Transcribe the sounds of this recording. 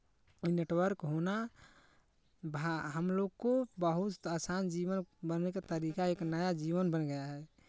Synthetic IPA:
neʈwəɾkɦoːna | bʱaɦəmloːɡkobəɦʊt̪asaːnd͡ʒiwənbənneket̪əɾikaeːknəjad͡ʒiwənbənɡəjaɦɛ

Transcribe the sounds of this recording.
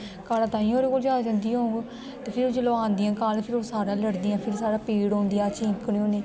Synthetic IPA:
kaːlãːt̪ãːĩːoːɾeːkoːld͡ʒaːd͡ʒãːnd̪ijõːɡ | t̪eːpʰɪɾoːd͡ʒəloːãːnd̪ɪãːkaːlpʰɪɾoːsaːɾãːləɽd̪iːãːpʰɪɾsaːɾaːpiːɽõːnd̪ejaːt͡ʃɪ̃ŋkɳiːõːneː

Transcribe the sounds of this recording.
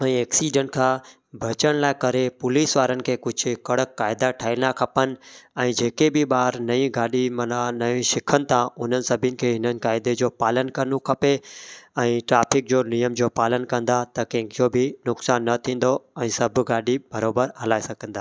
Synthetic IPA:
ɛ̃ːeːksiːɖə̃ɳʈkʰãː | bʱɐt͡ɕəɽ̃laːɪkɐɾepʊliːsʋaːɾənɪ̆kʰeːkʊd͡ʑʱʊ̆kɐɽəkːaːɪd̪aʈʰaːinakʰɐpənɪ̆ɛ̃ːd͡ʑeːkebɪɓaːɾnɐĩɡaːɗimɐnanɐĩʃɪkʰənɪ̆t̪ʰãʊn̤ənɪ̆sɐbʱɪnɪ̆kʰeːɦɪnənɪ̆kaːɪd̪ed͡ʑoːpaːlənkɐɾnõkʰɐpeɛ̃ːʈɾaːfɪk̚d͡ʑoːnijəmd͡ʑoːpaːlənkɐ̃nd̪at̪ɐkɛ̃ːkʰijobʱɪnʊksaːnːɐt̪ʰĩːn̆d̪oɛ̃ːsɐbʱɡaːɗibɐɾoːbəɾɦɐlaːesɐɡʱə̃nd̪aː

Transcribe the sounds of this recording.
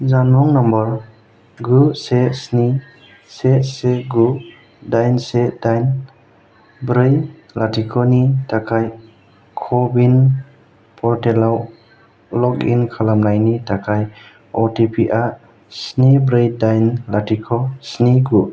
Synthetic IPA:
zanmɔŋnambɔɾ | ɡusesni | seseɡu | dajnsedajn | bɾɯj | latʰikʰɔnitakʰaj | kʰɔbin | pʰɔɾtelaw | lɔkḭnkʰalamnajnitakʰaj | ɔtipʰiʔa | snibɾejdajnlatʰikʰɔsniɡu

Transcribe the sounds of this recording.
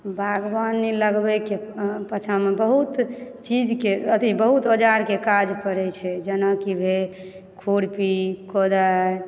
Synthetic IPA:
bʱaɡbaniləɡbɛke | pət͡ʃʰamebəɦut̪t͡ʃid͡ʒkeət̪ibəɦut̪od͡ʒaɾkekad͡ʒpəɾɛt͡ʃʰɛd͡ʒənəkibʱe | kʰuɽpikod̪aj

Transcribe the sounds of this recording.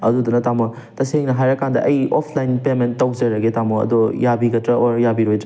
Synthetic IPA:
ɐdudunɐtamɐ | tɐseŋnɐɦajɾɐkandɐ̰ʔɐjopʰlajnpementːɐwzɐɾɐɡetamoɐ̰d̪ojabiɡɐtɾɐʔoɾjabiɾojdɾɐ

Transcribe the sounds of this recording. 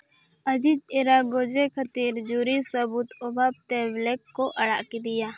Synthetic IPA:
ɐd͡ʒid͡ʒeɾaɡoːd͡ʒekʰət̪iːɾd͡ʒuːɾisəbuːt̪obʱaːb̚t̪eblekːoʔɐɽaːʔkid̪ɪjaː

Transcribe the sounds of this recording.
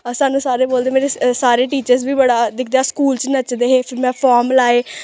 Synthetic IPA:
saːnũːsaːɾeːboːld̪eːmeːɾesaːɾeːʈiːt͡ʃəɾsbiːbəɽaːd̪ɪkʰd̪eaːskuːlt͡ʃnət͡ʃd̪eːɦeːpʰɪɾmɛ̃ːpʰaːɾmlaːeː

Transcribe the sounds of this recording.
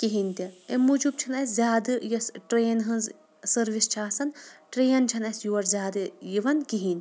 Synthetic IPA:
kiɦinʲt̪iemːud͡ʒub̚t͡ʃʰɐnɐsʲzʲaːd̪ɨjɐsʈɾeːnɦɐnz | sɐɾʋist͡ʃʰaːsɐnʈɾeːnt͡ʃʰɐnɐsjuʋɐɾzʲaːd̪ɨjiʋɐnkiɦinʲ

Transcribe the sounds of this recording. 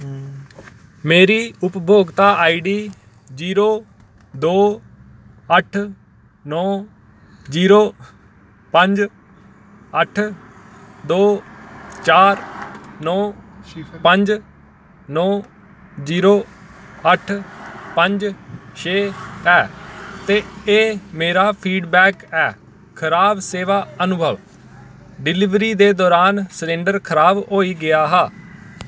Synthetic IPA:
meːɾiːʊpbʱoːɡt̪aːʔaːiɖiː | d͡ʒiːɾoː | d̪oː | əʈʰ | nɔː | d͡ʒiːɾoː | pəɲd͡ʒ | əʈʰ | d̪oː | t͡ʃaːɾnɔː | pəɲd͡ʒ | nɔː | ziːɾoːəʈʰpəɲd͡ʒʃʰeːɛːt̪eːeːmeːɾaːpʰiːɖbɛːkɛː | kʰəɾaːbseːʋaːənʊbʱəʋ | ɖɪlɪʋɾiːd̪eːd̪ɔːɾaːnsəɾẽːɳɖəɾkʰəɾaːbɦoːiːɡɪjaːɦaː

